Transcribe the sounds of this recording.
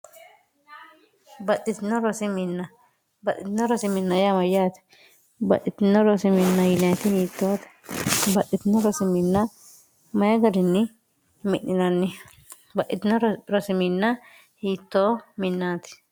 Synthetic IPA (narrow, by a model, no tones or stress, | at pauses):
bɐt̪ʼːɪt̪nɔɾɔsɪmɪnːɐ | bɐt̪ːɪt̪nɔɾɔsɪmɪnːɐjamɐjaːt̪ɛ̥ | bɐ̰ʔɪt̪ɪnɔɾɔsɪmɪnːajʊnaːɪt̪ɪd̪iːt̪ːoːt̪ɛ̥bɐtːɪt̪ɪnɔɾɔsɪmɪnːa | mɐjɐɡɐɾɪnːɪ | mɪʔnɪnɐnːɪ | bɐʔɪt̪ɪnɔɾɔsɪmɪnːa | hiːt̪ːoːmɪnːaːt̪ɪ̥